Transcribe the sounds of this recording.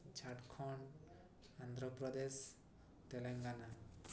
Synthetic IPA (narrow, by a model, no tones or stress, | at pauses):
t͡ʃʰaʈkʰɔɳ | and̪ʱɾɔpɾɔd̪es | t̪eleŋɡana